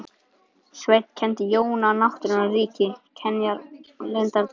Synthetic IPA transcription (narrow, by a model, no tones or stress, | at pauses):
svet̪cʰɛnt̪ɪjoːwnanawht̪ʏɾɪnariːcɪcʰɛnjaɾlɪnt̪aɾt̪